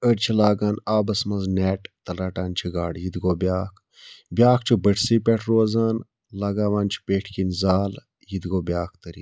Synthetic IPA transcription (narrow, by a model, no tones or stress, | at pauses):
əɽt͡ʃʰilaːɡaːnaːbɐsmɐznɛːʈt̪ɐlaːʈaːnt͡ʃʰiɡaːɽjid̪ɡoːbʲjaːkʰ | bʲjaːkʰt͡ʃʰubəʈʰsiːpʲɛʈʰɾoːzaːn | laːɡaːʋãːnt͡ʃʰi̥peːʈʰkinzaːl | jid̪ɡoːbʲjaːkʰt̪əɾḭː